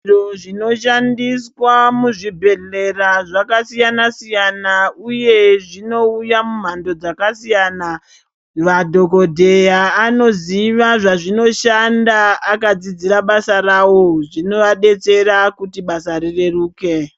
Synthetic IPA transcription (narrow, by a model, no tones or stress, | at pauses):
oʐino̞ʃandiswamuʐibʱe̞ɮe̞raʐakasijanasijanauje̞ʐino̞ujamum̤ando̞d͡zakasijaːna | ʋadʱoko̞dʱe̞jaːno̞ziʋaʐaʐino̞ʃandaːkad͡zid͡ziɾaɓasarawo̞ʐino̞ʋaɗe̞t͡se̞rakutiɓasaɾire̞ruːke̞